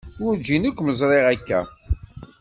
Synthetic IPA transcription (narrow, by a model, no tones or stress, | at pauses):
ʊɾd͡ʒinəkʷːməzˤɾˤeʁækːæ̰